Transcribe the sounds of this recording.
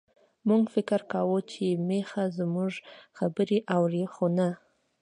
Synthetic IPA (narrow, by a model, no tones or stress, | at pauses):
muɡfɪkɾkawut͡ʃemexazmuʒxabəɾeʔawɾixona